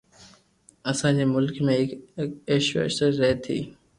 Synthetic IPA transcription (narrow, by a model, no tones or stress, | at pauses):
ɐsãd͡ʑeːmʊlkmẽːɦɪkeːʃʋḛʃəɾɛɦt̪ʰḭː